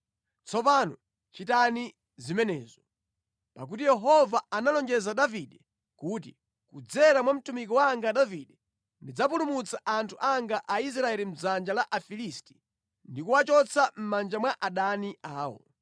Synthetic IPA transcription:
t͡sʰɔp̬aːnɔ | t͡ʃitani | zimɛnɛːzɔ | pak̬ut̬ijɛɦɔvaanalɔnd͡ʒɛzaɗaviɗɛ | kuːt̬i | kud͡zɛɾamwam̩tumikɔwaŋɡaɗaviɗɛ | ndid͡zapulumut͡saʔantʰuʔaŋɡaʔais̬ɾaɛlim̩zand͡ʒalaʔafilisti̥ | ndikuwat͡ʃɔt͡sʰam̩mand͡ʒamwaʔaɗaniaːwɔ̰

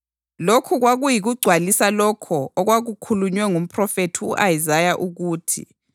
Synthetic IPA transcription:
lokʰuɣwaɣujiɣuɡ͡ǀʱwalisalɔkʰɔɔɣwaɣukʰuluɲwɛŋum̩pʰrɔfetʰiuʔajizajaʔuɣuːtʰḭ

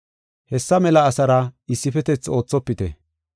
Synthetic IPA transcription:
hɛsːɐmɛlɐːsɐɾɐɪsːɪfɛt̪ɛt͡so̞ːt͡sːɔpːɪt̪ɛ̰

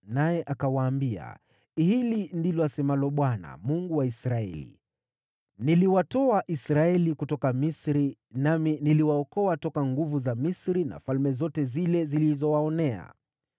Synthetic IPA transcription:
najɛʔakawaːmbia̰ | hilindilɔasɛmalɔɓwana̰muŋɡuwaisɾaɛ̰lḭ | niliwatɔaʔisɾaɛlikutɔkamisɾi | naminiliwaɔkɔatɔkaŋɡuvuzamisɾina̰falmɛzɔtɛzilɛzilizɔwaɔnɛa̰

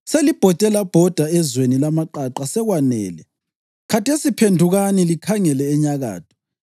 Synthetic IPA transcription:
selib̥ʱɔtʼɛlab̥ʱɔd̥ʱaɛzwenilamaǃaǃasɛɣwanɛ̰ːlɛ | kʰatʰesipʰendʱuɣanilikʰaŋɛlɛːɲaɣa̰ːtʰɔ̥

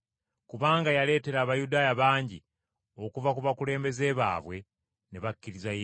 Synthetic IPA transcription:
kuβaːŋɡajale̞ːte̞ɾaːβajudaːjaβaːɲɟi | o̞kuvakuβakule̞ːmbe̞ze̞ːβa̰ːβwe̞ | neβakːiɾizaje

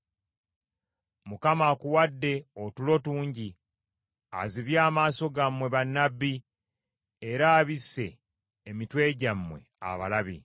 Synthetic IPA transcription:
mukamakuwadːe̞otulo̞tuːɲɟi | a̰ziβjaːmaːso̞ɡamːwe̞βanːabːi | eɾaːβisːe̞ː | mitwe̞ːɟamːwe̞̰ | a̰βa̰laβḭ

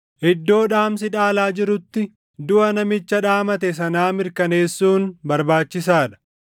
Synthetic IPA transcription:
ʔɪd̪ːo̞ːᶑaːmsɪᶑaːlaːd͡ʒɪɾʊt̪ːɪ | d̪ʊʔɐnɐmɪt͡ʃːɐᶑaːmɐt̪ɛsɐnaːmɪɾkɐne̞ːsːuːnbɐɾbaːt͡ʃːɪsaːᶑɐ̥

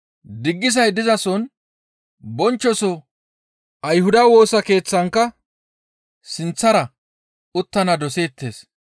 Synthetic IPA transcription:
d̪ɪɡːɪzɐjd̪ɪzɐsɔn | bɔnt͡ʃːɔsɔ | ʔɐjhʊd̪ɐwo̞ːsɐke̞ːt͡sːɐŋkːɐ | sɪnt͡sːɐɾɐ | ʊt̪ːɐnɐd̪ɔse̞ːt̪ːe̞ːs

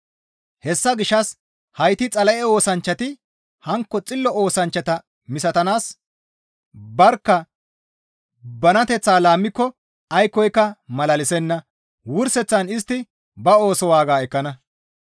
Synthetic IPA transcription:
hɛsːɐɡɪʃːɐs | hɐjt̪ɪt͡sʼɐlɐʔɛo̞ːsɐnt͡ʃːɐt̪ɪ | hɐŋkːɔt͡sʼɪlːɔo̞ːsɐnt͡ʃːɐt̪ɐ | mɪsɐt̪ɐnaːs | bɐɾkːɐ | bɐnɐt̪ɛt͡sːaːlaːmːɪkːɔ | ɐjkːɔjkːɐmɐlɐlɪsɛnːɐ | wʊɾsɛt͡sːɐnɪst̪ːɪ | bɐo̞ːsɔwaːɡaːɛkːɐnɐ

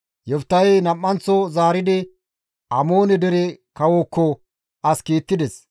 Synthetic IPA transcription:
jɔft̪ːɐjnɐmːɐnt͡sːɔzaːɾɪd̪ɪ | ɐmo̞ːnɛd̪ɛɾɛkɐwokːɔ | ɐskiːt̪ːɪd̪ɛs

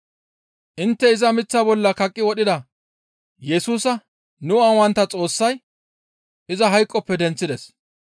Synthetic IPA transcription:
ʔɪnt̪ːɛɪzɐmɪt͡sːɐbɔlːɐkɐkʼːɪwɔɗɪd̪ɐ | jɛsuːsɐ | nʊɐwɐnt̪ːɐt͡sʼo̞ːsːɐj | ʔɪzɐɦɐjkʼːɔpːɛd̪ɛnt͡sːɪd̪ɛs

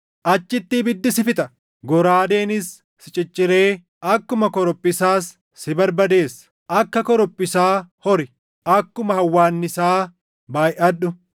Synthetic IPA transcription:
ʔɐt͡ʃːɪt̪ːibɪd̪ːɪsɪfɪt̪ʼɐ | ɡɔɾaːd̪eːnɪsː | ɪt͡ʃʼɪt͡ʃʼːɪɾe̞ː | ʔɐkːʊmɐkɔɾɔpʼːɪsaːsː | ɪbɐɾbɐd̪e̞ːsːɐ̥ | ʔɐkːɐkɔɾɔpʼːɪsaːhɔɾɪ | ʔɐkːʊmɐhɐwːaːnːɪsaː | baːjʔɐᶑʊ

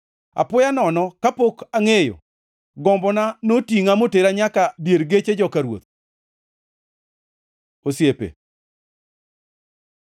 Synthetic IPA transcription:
a̰pʊjanɔnɔkapokaŋejo̰ | ɡɔmbɔnanotiŋamoteɾaɲakabjeɾɡet͡ʃed͡ʒɔkaɾwo̰t̪̚ | osjepḛ

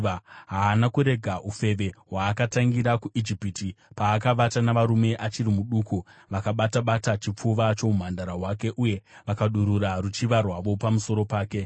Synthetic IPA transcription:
ɦaːnakuɾe̞ɡʱaʔufe̞ʋe̞ɦwaːkataŋɡiɾakuʔid͡ʒipitipaːkaʋatanaʋaɾume̞ʔat͡ʃiɾimuɗuːkuʋakaɓataɓatat͡ʃip͡fuʋat͡ʃo̞um̤andaɾaɦwaːke̞ʔuje̞ʋakaɗuɾuɾaɾut͡ʃiʋarwaʋo̞pamuso̞ɾo̞paːke̞

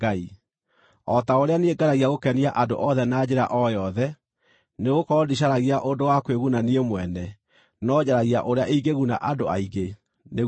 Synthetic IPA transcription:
ai | ɔtaoɾeaneɡaɾaɣiaɣokɛniaʔado̰ʔɔðɛnaːd͡ʑeɾa̰ʔɔjɔðɛ | neɣokɔdiɕ̬aɾaɣiaʔondowakweɣunaniemwɛnɛ | nɔd͡ʑaɾaɣiaʔoɾeaʔiiɡeɣuna̰ʔadoa̰iɡe | neɣ

